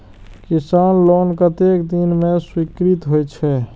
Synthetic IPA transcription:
kisanlonkət̪ekd̪inmẽswikɾit̪ɦojt͡ʃʰɛ

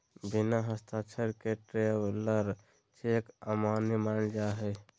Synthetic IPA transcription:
binaɦəst̪ʰat͡ʃʰəɾkeʈɾewləɾ | t͡ʃʰekamanimald͡ʒaɦɛ

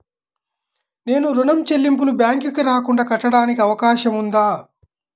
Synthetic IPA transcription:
ne̞ːnuɾunɐmt͡ʃelːimpulubjaːŋkikiɾaːkuɳɖaːkɐʈːɐɽaːnikiɐʋɐkaːʃɐmund̪aː

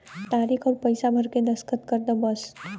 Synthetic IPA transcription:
t̪aːɾikʰɔːɾpəɪsabʱəɾkenəskət̪kəɾd̪əbəs

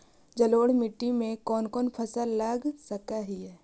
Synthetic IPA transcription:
d͡ʒəloːɽmɪʈːimẽkɔːnkɔːnpʰəsəlːaːɡsəkaɦiɦɛː

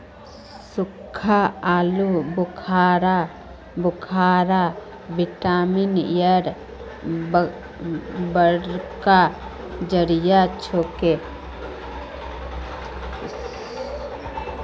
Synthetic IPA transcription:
sʊkʰːaaːlubʊkʰaːɾa | bʊkʰaːɾa | bɪʈaːminjəɾ | bəɾka | d͡ʒəɾijat͡ʃʰoːke

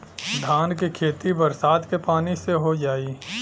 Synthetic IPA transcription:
d̪ʱaːnkikʰeːt̪ibəɾsaːd̪kepaːniseɦod͡ʒaːi

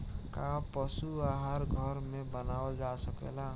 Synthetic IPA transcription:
kapəsuaɦaɾɡʱəɾmebənaəld͡ʒasəkḛla

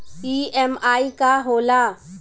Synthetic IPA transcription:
piːɛmaːikaɦoːla

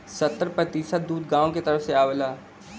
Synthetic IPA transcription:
sɐt̪ːəɾpət̪iːsət̪d̪uːd̪ɡaːõket̪ɐɾəfseaːʋəlaː

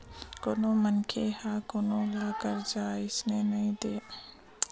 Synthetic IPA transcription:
koːnõːmənkʰehaːkoːnõlaːkəɾd͡ʒaːɪsnenɐɦĩd̪eː

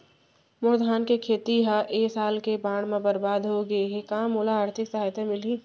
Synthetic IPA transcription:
mʊɾd̪ʱaːnkekʰeːt̪iɦaʔeːsaːlkebaːɽ̃mẽbəɾbaːd̪ɦoɡəeɦekaːmolaaːɾt̪ʰɪksɐɦaːjt̪ʰemɪli

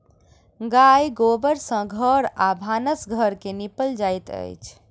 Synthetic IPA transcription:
ɡajɡobəɾsə̃ɡʱəɾabʱanəsɡʱəɾkenipəld͡ʒajt̪ə̰jt͡ʃʰ

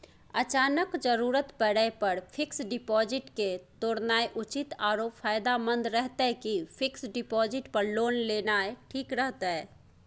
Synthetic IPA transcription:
ɐt͡ʃaːnəkd͡ʒəɾuːɾət̪pəɽəpəɾpʰɪksɖɪpɔːd͡ʒɪʈket̪oːɽnaːeʔʊt͡ʃɪt̪aːɾoːpfʰaːjd̪amə̃nd̪ɾɛɦt̪aɦɛkipʰɪksɖɪpɔːzɪʈpəɾloːnleːnaːeʈʰiːkɾəɦt̪aɦɛː

